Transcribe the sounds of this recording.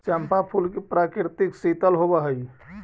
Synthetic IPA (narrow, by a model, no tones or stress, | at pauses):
t͡ʃɛmpapʰulkepɾakiɾt̪iksit̪əlɦobəɦəj